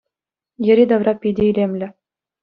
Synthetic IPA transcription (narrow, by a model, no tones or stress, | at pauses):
jɘ̆ɾʲid̪ɑʋrɑpʲidʲeilʲemlʲɘ̆